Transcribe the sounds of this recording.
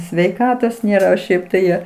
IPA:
sʲʋʲɛɪˈkɑːtoːs ˈnʲeːrɐ oː ˈʃʲɛɪp tɐɪ ˈjoː

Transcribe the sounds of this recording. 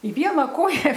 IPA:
ɪ ˈʋʲiɛnɐ ˈkoːjɛ

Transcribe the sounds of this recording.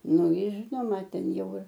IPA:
ˈnʊ ˈjɪr ˈʒʲɪnoːmɐ ˈtʲɛn ˈjɛʊ ɪr

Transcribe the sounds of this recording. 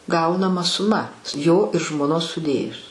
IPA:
ˈɡɐʊnɐmɐ sʊˈmɐ joː ɪr ʒmoːˈnoːs sʊˈdʲeːjʊs

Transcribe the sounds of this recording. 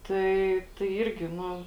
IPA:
ˈtɐɪ tɐɪ ˈiːrʲɡʲɪ ˈnʊ

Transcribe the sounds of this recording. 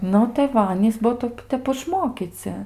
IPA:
ˈnʊ tɐɪ ˈʋɐ ˈɑːnʲiːs ˈbuɔ ˈtɐɪp ˈtʲɛp ɪʃˈmoːkʲiːt͡sʲɪ

